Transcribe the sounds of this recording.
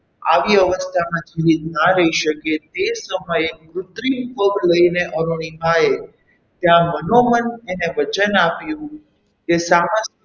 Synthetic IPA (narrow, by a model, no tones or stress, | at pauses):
a̰ʋiəʋəst̪ʰamãt̪ʰiɾit̪naɾəiʃəket̪esəməjeʋɾʊt̪ɾinpəbləineʔəɾuɽ̃imae | t̪jãmənoməneneʋət͡ʃənapjũ | kesamə